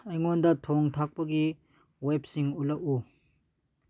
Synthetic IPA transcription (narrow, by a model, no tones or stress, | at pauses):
ɐjŋɔndɐtʰɔŋtʰak̚pɐɡi | wep̚siŋulɐʔu